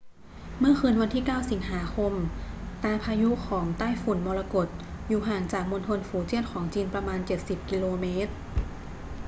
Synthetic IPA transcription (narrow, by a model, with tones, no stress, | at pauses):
mɯ˥˩ɐxɯː˧nwa˧nt̪ʰiː˥˩kaː˥˩wsi˨˩˦ŋɦaː˩˦kʰo˧mt̪aː˧pʰaː˧ju˦˥kʰɔː˩˦ŋt̪aː˥˩jfu˩˦nmɔː˧la˧ko˨˩t̪̚juː˨˩ɦaː˨˩ŋt͡ɕaː˨˩k̚mo˧nt̪ʰo˧nfuː˩˦t͡ɕi˥˩ənkʰɔː˩˦ŋt͡ɕiː˧npɾa˧maː˧nt͡ɕe˨˩t̪̚si˨˩p̚ki˧loː˧meː˦˥t̪̚